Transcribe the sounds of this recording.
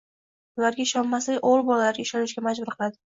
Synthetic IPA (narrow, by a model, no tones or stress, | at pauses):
ʊlaɾɡʲaɪʃɒnmaslɪolˠbɒlalaɾɡʲaɪʃɒnɪʃɡʲamad͡ʒbʊɾqʰɨlˠad̪ɪ